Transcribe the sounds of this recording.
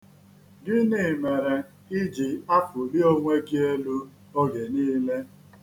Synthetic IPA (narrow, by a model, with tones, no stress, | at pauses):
dɪ˦ni˦˨me˨ɾe˨ | i˦d͡ʒi˨a˦fʊ˨li˦o˦ŋʷe˦ɡi˦e˦lu˦ | o˦ɡe˨niː˦le˦